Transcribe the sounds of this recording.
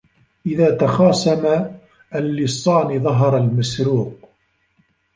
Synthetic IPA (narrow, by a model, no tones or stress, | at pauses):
ʔɪðaːt̪ɑxɑːsama | ʔːlːɪsˤːɑːnɪðˤɑɦɑɾˤɑlmasɾuːq